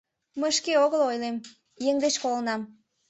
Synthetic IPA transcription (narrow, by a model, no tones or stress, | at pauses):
məjʃkeoɣəlojlem | jeŋd̪eʃkolənɑm